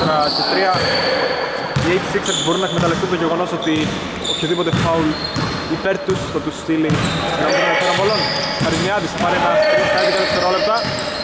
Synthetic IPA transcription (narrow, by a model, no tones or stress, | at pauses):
ɾɐcet̪ɾiɐ | ejt̪siksɐksboɾunːɐekmet̪ɐleft̪unt̪oɲɟeɣo̞no̞sot̪i | opçoðipot̪efɐul | ipeɾt̪ust̪ot̪ust̪ilinɐminɐnɐkɐɾɐmpolonpɐɾimɐðisɐmɐɾenɐsɐɾiskɐt̪ikɐleft̪eɾolept̪ɐ